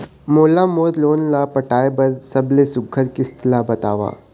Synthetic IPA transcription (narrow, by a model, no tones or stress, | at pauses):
moːlamoːd̪loːnlapɐʈaːebɐdsɐblesʊɡʰəɾkɪst̪labɐt̪a̰ːʋa̰ː